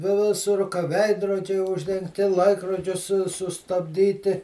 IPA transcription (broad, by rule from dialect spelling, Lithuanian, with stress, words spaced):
ʋʲɪ ˈʋʲɪsʊr kɐ ˈʋʲɛɪdroːd͡ʒʲɛɪ ʊʒʲdʲɛŋkˈtʲɪ ˈlˠɐɪkroːd͡ʒʲʊs sʊ sʊstɐbʲˈdʲiːtʲɪ